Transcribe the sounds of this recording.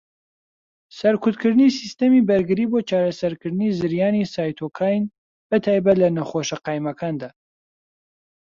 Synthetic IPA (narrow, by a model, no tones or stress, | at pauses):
sɐɾkʰʊt̪kʰɨɾd̪ɨnisist̪ɐmibɐɾɡɨɾiːboːt͡ʃaːɾɐsɐɾkɨɾd̪ɨnizɨɾjaːnisaːjt̪ʰokʰaːjn | bət̪ʰaːjbɐt̪lɐnɐχoʃɐqɑːjmɐkʰaːnd̪aː